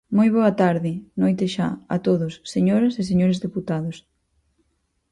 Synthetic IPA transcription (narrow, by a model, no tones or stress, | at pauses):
mojβ̞ɔɐt̪aɾðɪnojt̪ɪʃa̰ɐ̰t̪oðʊsːeɲoɾɐses̬eɲoɾɪzðeput̪aðʊs